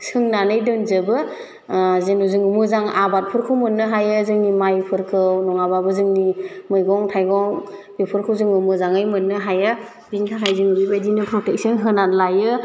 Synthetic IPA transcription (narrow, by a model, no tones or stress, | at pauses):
sɯŋnanɯjdɯnzɯbɯ | zenuzɯŋumɯzaŋa̰bat̚pʰɯɾkʰɯwmɯnːɯɦajɯzɯŋnimajpʰɯɾkʰɯwnɔŋababɯzɯŋnimɯjɡɔŋtʰajɡɔŋbipʰɯɾkʰɯwzɯŋumɯzaŋɯjmɯnːɯɦajɯ | binkʰatʰajzɯŋubibajdinɯpʰɾɔtek̚sɯnɦɯnatlajɯ